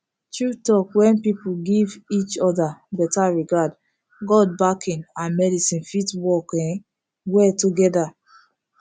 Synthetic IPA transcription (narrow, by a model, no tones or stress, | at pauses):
tɹutɔkwɛ̃npipuɡivit͡ʃɔdabɛtaɹiɡad | ɡɔd̚bakʰĩnãnmɛdisĩnfitwɔkɛ̃n | wɛtuɡɛda